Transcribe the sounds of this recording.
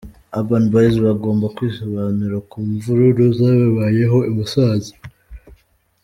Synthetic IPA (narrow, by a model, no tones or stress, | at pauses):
abanubaizβaɡo̞ːmbakwiːsoβanuɾakuːɱvuɾuɾuzaːβaβaje̞ɦo̞imusazi